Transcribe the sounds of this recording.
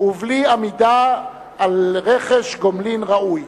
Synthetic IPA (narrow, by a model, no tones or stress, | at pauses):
uvliamid̪aː | lʁeχeʃɡomlinʁaʔuj